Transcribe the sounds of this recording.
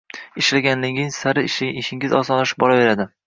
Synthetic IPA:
ɪʃlaɡʲanlɪŋɪŋsaɾɪʃɪʃɪŋʲɪzɒsɒnlaʃɪ̥p̚bɒlave̞ɾad̪ɪ

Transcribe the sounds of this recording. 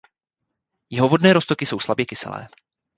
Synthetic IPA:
jɛɦo̞vo̞dnɛːɾost̪okɪso̞wslabjɛkɪsɛ̰lɛ̰ː

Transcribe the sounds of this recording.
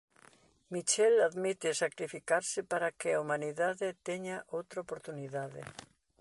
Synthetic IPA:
mit͡ʃɛlaðmit̪ɪsakɾifikaɾsɪpaɾakɪaumaniðaðet̪eɲaʔowt̪ɾaopoɾt̪uniðaðḛ

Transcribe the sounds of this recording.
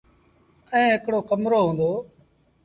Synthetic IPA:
ɛ̃ːɦɪkɽoːkəmɾoːɦũːnd̪oː

